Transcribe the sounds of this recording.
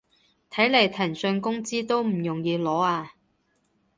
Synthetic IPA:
t̪ʰɐ˨˥jlɐ˨˩jt̪ʰɐ˨˩nsɵ˧nkʊ˥ŋt͡siː˥t̪o˥wm̩˨˩jʊ˨˩ŋjiː˨˧lɔː˨˥aː˧

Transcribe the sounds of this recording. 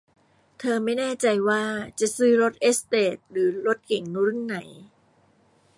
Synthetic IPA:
t̪ʰɤː˧ma˥˩jnɛː˥˩t͡ɕa˧jwaː˥˩t͡ɕa˨˩ʔsɯː˦˥ɾo˦˥t̪̚ʔe˦˥st̪eː˨˩t̪̚ɾɯː˩˦ɾo˦˥t̪̚ke˨˩˦ŋnu˧˦˥ɾu˥˩nːa˩˦j

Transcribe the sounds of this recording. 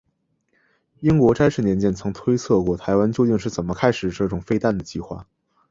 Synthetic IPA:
i˥ŋkwɔ˧˥ʈ͡ʂa˥ɪʂɻ̩˥˩njɛ˧˥nt͡ɕjɛ˥nt͡sʰɤ˧˥ŋt̪ʰwe˥ɪt͡sʰɤ˥˧kwɔ˥˩t̪ʰa˧˥ɪwa˥nt͡ɕjo˥˧ʊt̪i˥˧ŋʂɻ̩˥˩t͡sə˨˩nmə˦kʰa˥ɪʂɻ̩˨˩ʈ͡ʂɤ˥˩ʈ͡ʂʊ˨˩ŋfe˥ɪt̪a˥˩nd̪ə˩t͡ɕi˥˧xwa̰˥˩

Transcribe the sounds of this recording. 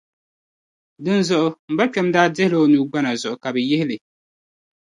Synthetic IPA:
dɨ˦nzʊ˦ʔʊ˦m̩˨ba˦k͡pɛ˨˦mdaː˦dɪ˦hɪ˦la˦˨o˨nuː˨ɡ͡ba˦na˨zʊ˨ʔʊ˨ka˨bɛ˨jɪ˦hɪ˦lɨ˨

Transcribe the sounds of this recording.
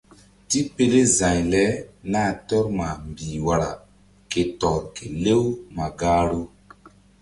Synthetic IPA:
ti˦pe˨le˦zã˨ɲlɛ˦na˦˨tɔ˦ɾma˨mbiː˨wa˨ɾa̰˨ | ke˨tɔ˨ɾke˨le˦wma˨ɡaː˦ɾo˦

